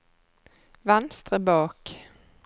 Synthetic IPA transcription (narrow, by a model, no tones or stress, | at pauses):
vanst̪ɾəbɑːk